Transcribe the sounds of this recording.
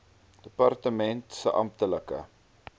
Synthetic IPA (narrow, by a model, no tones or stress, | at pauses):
d̥əpɐrtəmɛntsəʔɐ̰mtələkə̰